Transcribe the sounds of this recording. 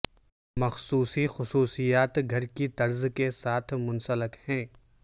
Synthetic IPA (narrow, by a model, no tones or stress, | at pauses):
mɐxsuːsixʊsuːsijaːt̪ɡʱɐɾkit̪ɐɾzkesaːt̪ʰmʊ̃nsələkhɛ̃ː